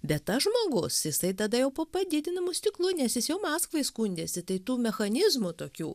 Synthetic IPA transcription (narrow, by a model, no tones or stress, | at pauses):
bʲɛt̪tɐʒmoːɡʊsjɪsɐɪt̪ɐd̪ɐjɛʊpoːpɐd̪ʲɪd̪ʲɪnɐmʊsʲt̪ʲɪklˠʊnʲɛsjɪsjɛʊmɑːskʋɐɪskunʲd̪ʲeːsʲɪt̪ɐɪt̪uːmʲɛxɐnʲɪzmʊt̪oːkʲuː